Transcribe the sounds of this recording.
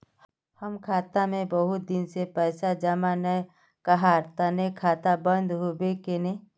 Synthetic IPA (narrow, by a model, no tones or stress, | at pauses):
həmkʰaːt̪amẽbəɦʊt̪̚d̪ɪnsepɛːsad͡ʒəmanə | kəɦaːɾt̪anekʰaːt̪abə̃nd̪ɦobekene